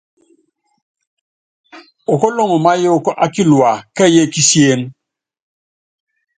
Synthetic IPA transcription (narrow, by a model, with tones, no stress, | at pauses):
o˨kɔ˦lɔ˦ŋɔ˨ma˦je˦kɔ˦ʔa˦ki˦lu˨a˨ka˦je˦ki˦si˦e˦n